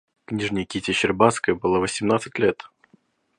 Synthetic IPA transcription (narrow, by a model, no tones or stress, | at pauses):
knʲiʐnʲɪjkʲitʲɪɕɪrbaskəjəbɨlˠavəsʲɪmnat̪sɨtʲlʲet̪